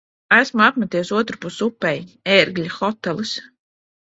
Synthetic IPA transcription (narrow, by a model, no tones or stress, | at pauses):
æsmuapmat̪iɛsuɔt̪ɾupusupːɛjeɾɡlʲaxɔt̪ɛlˠɨs